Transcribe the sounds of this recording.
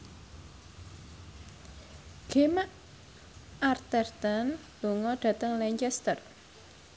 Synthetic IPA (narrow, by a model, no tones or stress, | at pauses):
ɡ̥emaʔ | art̪ɛrt̪an | l̥oŋɔɖ̥ä̤t̪əŋlɛɲt͡ʃɛst̪ər